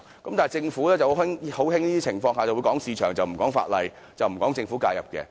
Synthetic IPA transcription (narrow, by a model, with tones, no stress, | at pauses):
kɐ˨˦mt̪aː˨˩˨jt͡sɪ˧ŋfuː˨˥lɛː˥t͡sɐ˨who˨˥ɪ˥ŋho˨˥whɪ˥ŋniː˥d̪iː˥t͡sʰɪ˨˩ŋfɔː˧ŋhaː˨t͡sɐ˨wu˨˧jkɔː˨˥ŋsiː˧t͡ʃʰœː˨˩ŋt͡sɐ˨wm̩˨˩kɔː˨˥ŋfa̰ː˧t̚lɐ˧j | t͡sɐ˨wm̩˨˩kɔː˨˥ŋt͡sɪ˧ŋfu˨˦˥ka̰ː˧jɐ˨p̚kɛ̰ː˧